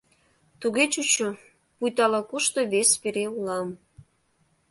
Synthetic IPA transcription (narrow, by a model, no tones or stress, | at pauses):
t̪uɣet͡ɕut͡ɕo | pujt̪ɑlɑkuʃt̪oβespeɾeulɑm